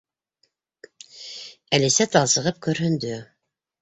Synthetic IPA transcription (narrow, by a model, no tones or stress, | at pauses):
ælɘ̆sæt̪ɑlˠsɤ̆ʁɤp̚kɵɾhɵ̆nd̪ɵ